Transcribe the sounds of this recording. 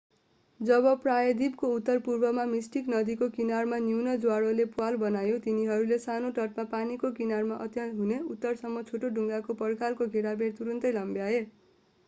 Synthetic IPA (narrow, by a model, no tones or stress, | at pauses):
d͡zʌbʌprajʌd̪ib̚kout̪ːʌrpurbʌmamisʈiknʌd̪ikokinarmanjuwnʌd͡zwaɽolepuwalbʌnajot̪iniɦʌɾulesanoʈʌʈ̚mapanikokinarmaʔʌt̪jʌnt̪ɦuneut̪ːʌrsʌmːʌt͡sʰoʈoɖʱuŋɡakopʌrkʰalkoɡʱeɽabert̪uɾʌnt̪ʌjlʌmbjae